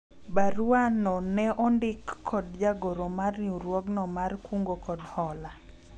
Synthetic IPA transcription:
baɾuanɔnɛʔɔndɪkʰːɔdd͡ʒaɡoɾomarnuɾwɔɡnɔmarkuŋɡokɔdhɔla

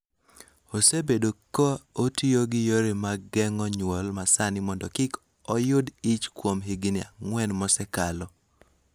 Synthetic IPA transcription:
osebedokootioɡɪjoɾɪmaɡɛŋɔɲwɔlmasanɪmɔndɔkɪk | ɔjʊdit͡ʃkwomɦɪɡɪnɪa̰ŋwɛnmɔsɛkalɔ

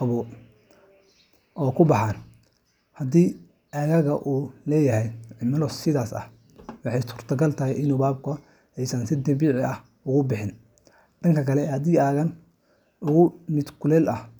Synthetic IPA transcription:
qɑβɔ | ʔɔːkʰʊbɑħaːn | hɐd̪iː | ɐɣɐɣɐʔuːlɛːjɐɦɛjʕɪmɐlɔsɪðaːsɐ̰h | wɑħɑjsʊrt̪ʰɐɡɐlt̪ʰɐɦɛjɪnuːbaːb̚kʰʊ | ɛjsɐnsɪd̪ɐmbiːʕɪɐh | ʊɣʊbɪħɪn | ɖɐŋkʰɐkʰɐlɛhɐd̪iːɐɣɐn | ʊɣʊmɪd̪kʰʊlɛːlɐh

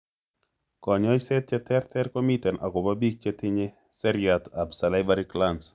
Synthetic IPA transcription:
kɔɲɔjsɛt̪̚t͡ʃɛtʰɛrt̪ʰɛrkomitɛnʔa̰kɔbabik̚t͡ʃetʰɪɲe | sɛɾjat̪absalajbaɾiklans

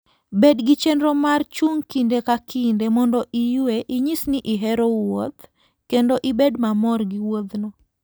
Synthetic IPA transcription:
bedɡit͡ʃendɾomart͡ʃuŋkindekakʰindemɔndɔʔijweʔiɲisnɪʔiɦɛɾowot̪ | kendoʔibedmamɔrɡiwod̪nɔ

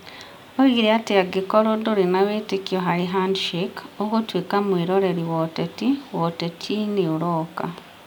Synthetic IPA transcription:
oiɡiɾiatiaɡikoɾodoɾinaweitikioɦaɾiɦandʃikoβwotwiːkamwiːɾoɾeɾiwotetiwotetʰiniuɾoka̰

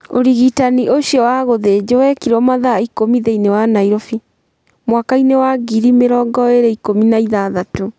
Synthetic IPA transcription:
oɾiɣitanioɕjɔwaɣoðed͡ʑowɛkiɾɔmaðaikomiðeinewanaiɾofi | mwakainewaɡiɾimeɾɔːɡɔeɾeikominaiðaðato

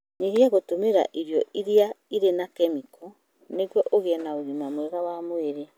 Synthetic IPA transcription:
ɲeɣiaɣotomeɾa̰ʔiɾjɔiɾiaiɾenakɛmikɔ | neɣwɔʔoɣeɛnaoɣimamwɛɣawamoeɾe

